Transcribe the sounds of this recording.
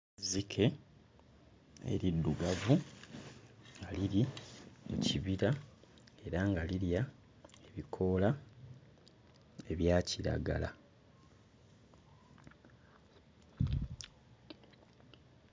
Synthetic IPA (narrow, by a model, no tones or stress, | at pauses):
zikʰe̞ | ḛɾidːuɡavu | ŋɡaliɾiḛciβiɾa | e̞ɾaŋɡaliɾja | eβikʰo̞la | e̞βjaːciɾa̰ɡa̰la